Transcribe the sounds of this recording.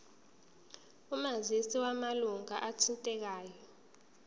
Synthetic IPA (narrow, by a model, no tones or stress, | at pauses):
umazisiwamaluŋaʔatʰintʼɛk̬aːjɔ